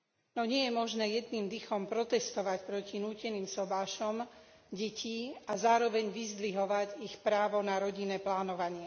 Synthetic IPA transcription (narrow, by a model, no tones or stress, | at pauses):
nɔɲɪɛjɛmɔʒnɛːjɛd̪niːmd̪ixɔmpɾɔt̪ɛst̪ɔʋacpɾɔcinuːcɛniːmsɔbaːʃɔm | ɟɛcʰiazaːɾɔʋɛɲʋizd̪ʋiɦɔʋaɟixpɾaːʋɔnaɾɔɟinɛːplaːnɔʋaɲɪɛ